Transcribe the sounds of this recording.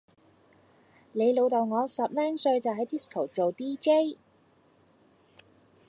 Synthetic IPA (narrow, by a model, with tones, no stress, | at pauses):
le˨˧jlo˨˧wt̪o˨˩wŋɔː˨˧sɐ˨p̚lɛː˥ŋsɵ˧ɥt͡sɐ˨wɦɐ˨˥jt̪i˥skʰo˨˩wt͡ʃo˨wt̪iː˥ke˥j